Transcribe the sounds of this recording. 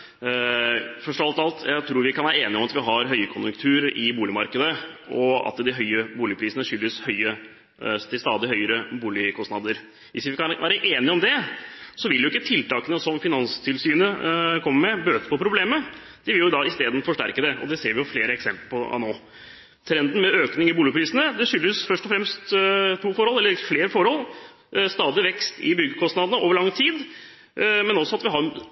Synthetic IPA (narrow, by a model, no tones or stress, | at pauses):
fœʂɔʋɑlt̪ɑlt̪ʰjæɪɡt̪ʰɾuːɾʋɪkʰɑnʋæːɾəeːnɪɔmɑt̪ʋɪɦɑɾɦœʏəkʰʊnjʉŋkt̪ʰʉːɾɪbuːlɪmɑɾkəd̪əɔɑ̰t̪d̪ɪɦœʏəbuːlɪpʰɾiːsənəʂʏlːəshœʏə | t̪ʰɪlst̪ɑːd̪ɪhœʏəɾəbuːlɪkʰɔsnɑd̪ːəɾ | ʋɪsʋɪkɑnʋʔæːɾəʔeːnɪɔmd̪ɛsɔʋɪljʊɪkːət̪ʰɪlt̪ɑːkənəsɔmfɪnɑnst̪ʰɪlsyːnəkʰɔmːəmɛbøːt̪ə̥pʰɔpʰɾʊbleːmə | d̪̥ɪʋɪljʊd̪ɑɪst̪eːd̪n̩fɔʂʈæ̰ɾkəd̪ɛɔ̰d̪ɛseːɾʋɪjʊfleːɾəɛksɛ̰mpləpʰɔɑ̰noː | t̪ʰɾɛnd̪ən̩mɛøːknɪŋɪbuːlɪpʰɾiːsənəd̪ɛʂʏlːəsfœʂʈɔfɾɛmst̪t̪ʰuːfɔɾhɔlːɛlːəɾfleːɾəfɔɾhɔlː | st̪ɑːd̪ɪʋɛkst̪ɪ̰bʏɡːəkʰɔst̪nɑd̪ənəoːʋəɾɭɑŋːt̪ʰiːd̪ | mɛnɔsːɔɑt̪ʋɪɦɑɾ